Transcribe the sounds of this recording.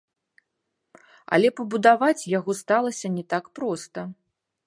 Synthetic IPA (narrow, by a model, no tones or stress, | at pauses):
ɐ̰lʲɛpɐbud̪avat͡sʲjaɣɔst̪alˠɐsʲɐnʲɛt̪akpɾɔst̪ɐ